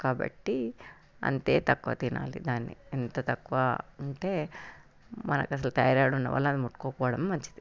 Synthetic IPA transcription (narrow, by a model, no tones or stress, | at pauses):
kaːbɐ̰ʈːi | ɐ̰nt̪eːt̪ɐkːʋɐ̰t̪inʔa̰ːlːid̪aːnːḭint̪ɐt̪ɐkːʋaɐɳʈe | mɐnɐ̰kɐs̬ɐlt̪ɐjaːɾaːɽunːɐʋɐ̰lːɐnd̪umuʈkoːkoːɽɐmmɐɲt͡ʃi̥t̪i